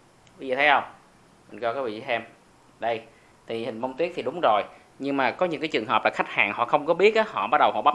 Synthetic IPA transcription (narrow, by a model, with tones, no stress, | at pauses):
wi˨˦zḭ˨˩t̪ʰə˨˦jhə˧wŋ͡m | mï˨˩ŋ̟kɔ˧kaː˨˦˥vḭ˧˨zi˧˦sɛ˧m | ɗə˧j | t̪ʰi˨˩hï˨˩ŋ̟və˧wŋ͡mt̪wi˦˥ək̚t̪ʰi˨˩ɗʊ˨˦ŋ͡mzo˨˩j | ɲɨ˧ŋmaː˨˩kɔ˨˦ɲɨ̰˧˥ŋkaː˨˦jt͡ɕɨ˨˩əŋɦə˨˩p̚laː˨˩xa˦˥k̚ha̰ː˨˩ŋhɔ̰˧˨xə˧wŋ͡mkɔ˨˦ɓi˦˥ət̚ʔaː˨˦hɔ̰˧˨ɓa˦˥ɗə˨˩whɔ̰˧˨ɓa˦˥